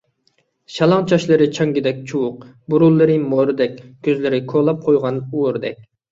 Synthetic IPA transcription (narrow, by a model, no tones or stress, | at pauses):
ʃɑlˠɑŋt͡ʃʰɑʃlˠɨɾɪt͡ʃʰɑŋɡʲɪd̪ɛk̚ʲt͡ʃʰuwʊq̚buɾulˠːɨɾɪmoɾɨd̪ɛkʲkʲʰøzlɪɾɪkʰolˠɑp̚qʰojʁɑnuwɾd̪ɛk̚ʲ